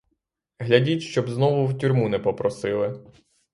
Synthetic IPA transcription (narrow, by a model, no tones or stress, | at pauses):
ɦlʲɐdʲitʲʃt͡ʃɔbznɔʋʊwtʲurʲmunɛpɔpɾɔsɪlˠɪ